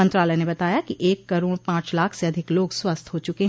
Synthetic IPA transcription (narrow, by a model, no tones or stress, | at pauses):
ə̃nt̪ɾaːlɛnebɐt̪aːjakiʔeːkːɐɾoːɾpãːt͡ʃlaːkʰseɐd̪ʱɪkloːɡswɐst̪ʰɦoːt͡ʃʊkeɦ